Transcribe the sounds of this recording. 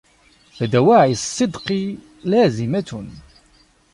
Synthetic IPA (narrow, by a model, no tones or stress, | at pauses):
θæd̪æwaʕisˤːɨd̪qi | læːzimæt̪ʊn